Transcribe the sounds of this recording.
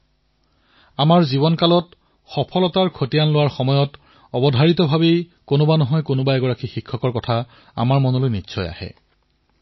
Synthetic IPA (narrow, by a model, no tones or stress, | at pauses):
amaɹziβɔnkalɔt | xɔpʰɔlɔtaɹkʰotijanlʊwaɹxɔmɔjɔt | ɔbɔdʱaɹitɔbʱabej | konʊbanɔɦɔjkonʊbaɛɡɔɹakixikʰːɔkɔɹkɔtʰa | a̰maɹmɔnolojnisʰɔja̰hɛ̰